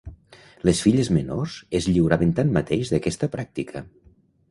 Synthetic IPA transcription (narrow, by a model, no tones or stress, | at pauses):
lesfiʎəzmənoz̥ezʎiwɾaβent̪anmːət̪eʒzðəkɛst̪əpɾak̚t̪ikʰə